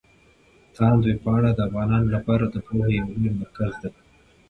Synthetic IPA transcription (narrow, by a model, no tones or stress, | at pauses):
t̪ʰɑnd̪wepɑɽad̪əavɣɑnɑnolapɑɾad̪əpohejwlojmaɾkazd̪a